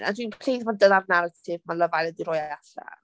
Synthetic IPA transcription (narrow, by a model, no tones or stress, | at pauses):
a̰dwinpʰl̥ejðvɔdənavnaɾatʰɪvmalˠəvajlˠədiɾɔːjaɬa̰